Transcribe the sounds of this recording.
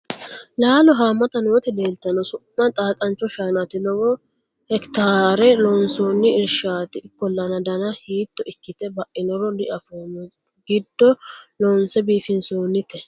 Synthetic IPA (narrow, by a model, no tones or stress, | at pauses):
laːlɔɦaːmːɐt̪ɐnoːt̪ɪleːlt̪ːɐnɔsʊʔːɐt̪ʼaːt̪ʼɐnt͡ʃːɔʃaːnɐt̪ɪlɔwɔ | hɛkt̪aːɾɛlɔːnsoːnːɪɪlʃaːt̪ɪkːɔlːɐnɐd̪ɐnɐhiːt̪ːɔɪkːɪt̪ɛbɐʔɪnɔɾɔlɪʔɐfon | ɡɪd̪ːɔlɔnsɛbiːfɪnsoːnːɪkːɛ